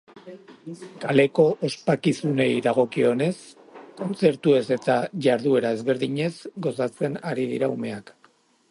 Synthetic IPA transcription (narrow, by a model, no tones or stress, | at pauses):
kale̞ko̞ʔospakisune̞jðaɣ̞o̞kio̞ne̞s | ko̞nt͡se̞ɾt̪ue̞se̞t̪aʝaɾðue̞ɾae̞zβe̞ɾðiɲe̞zɡo̞sat͡se̞naɾiðḭɾaume̞ak